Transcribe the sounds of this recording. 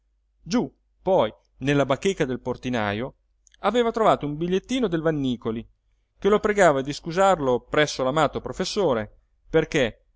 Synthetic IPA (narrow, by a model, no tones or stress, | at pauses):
d͡ʒu | pːɔj | nelːabakːekːad̪elport̪ina̰ːjo | aveːvat̪ɾovaːt̪oumbiʎːet̪ːiːnod̪elvanːiːkoli | kelopɾeɡaːvad̪iskuzarlopɾɛsːolamaːt̪opɾofesːoːɾe | perke